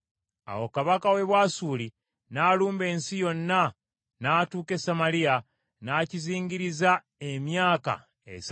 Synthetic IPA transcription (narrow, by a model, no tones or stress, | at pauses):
a̰wokaβakawe̞βwaːsuːli | naːluːmbe̞ːnsijo̞nːa | naːtuːke̞samalija | naːciziːɲɟiɾiza | emjaːka̰ | ḛs